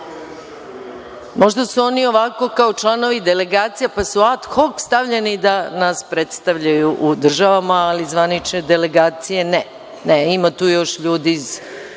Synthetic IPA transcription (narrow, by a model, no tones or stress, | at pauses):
mo̞ʒd̪asuo̞nio̞ʋako̞kao̞t͡ʃlˠano̞ʋid̪ele̞ɡaːt̪sijapasuat̪xokst̪aʋʎenid̪anaspɾet̪st̪aʋʎajuʔud̪r̩ʒaʋamaːlizʋanit͡ʃned̪eleɡaːt̪sije̞nɛ | neimat̪uːjo̞ʃʎuːd̪iːz